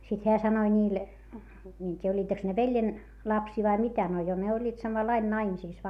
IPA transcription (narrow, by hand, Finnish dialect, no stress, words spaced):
sit heæ sɑnoi nʲiːl mie en tʲiːjæ olʲːiːteks ne ʋeljen lɑpsiː ʋɑi mitæ no jo ne olʲːiːt sɑmɑlːɑin nɑimisiˑs